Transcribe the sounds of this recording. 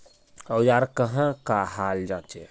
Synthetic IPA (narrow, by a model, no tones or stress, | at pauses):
əwjaːɾkəɦãkahaːld͡ʒãːt͡ʃe